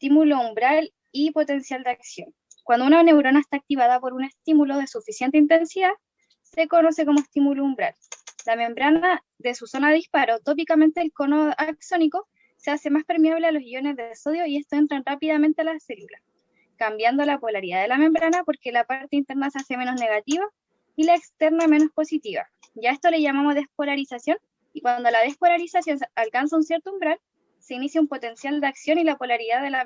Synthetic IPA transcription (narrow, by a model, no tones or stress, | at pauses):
est̪imuloumbɾal | ipo̞t̪e̞nsjald̪eaksjo̞n | kwand̪ounane̞wɾo̞naest̪aːk̚t̪iβaðapo̞ɾune̞st̪imulo̞ðe̞sufisjent̪eint̪e̞nsiða | se̞ko̞no̞se̞ko̞moest̪imuloumbɾa̰llame̞mbɾana | ðesuso̞naispaɾot̪op̬ikame̞nt̪elko̞noakso̞niko | sease̞maspe̞ɾmiaβlealosio̞nezðesoðjoie̞st̪oe̞nt̪ɾanrapiðame̞nt̪ealaselula | kambjand̪o̞lapo̞laɾiðaðe̞lamẽ̞mbɾanapo̞ɾkelapaɾt̪e̞int̪e̞ɾnasease̞me̞no̞sne̞ɣat̪iβa | ilaekst̪eɾname̞no̞spo̞sit̪iβa̰ | ʝaest̪ole̞ʝamamo̞zðe̞spo̞laɾisasjo̞n | ikwand̪o̞lað̞e̞spo̞laɾisasjo̞nalkans̬aunsje̞ɾt̪oumbɾal | se̞inisjaumpo̞t̪e̞nsjald̪eaksjo̞nilapo̞laɾiðaðela